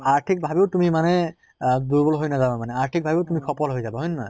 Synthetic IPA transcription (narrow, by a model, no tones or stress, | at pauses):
aɹtʰik̚bʱabiʊtumimanɛ | d̪uɹbɔlɦojnazabamanɛaɹtʰik̚bʱabiʊtumikʰɔpɔlɦojzabaɦojnna̰